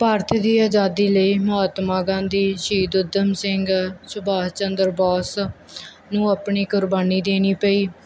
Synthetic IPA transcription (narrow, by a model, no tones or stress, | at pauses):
paːɾt̪ʰːd̪iːaːd͡ʒaːd̪iːləiːmʊɦaːt̪maːɡãːnd̪iːʃiːd̪ʊd̪əmsɪŋɡsʊbaːɦt͡ʃənd̪əɾbɔːs | nũːapɳiːkʊɾbaːniːd̪eːniːpəiː